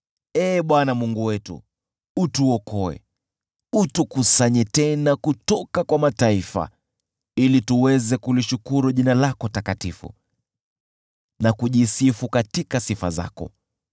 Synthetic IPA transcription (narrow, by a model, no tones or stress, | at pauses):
ɛːɓwanamuŋɡuwɛtṵ | utuɔkɔɛ̰ | utukusaɲɛtɛnakutɔkakwamataifa̰ | ilituwɛzɛkuliʃukuɾuʄinalakɔtakatifṵ | nakuʄisifukatikasifa̰za̰kɔ̰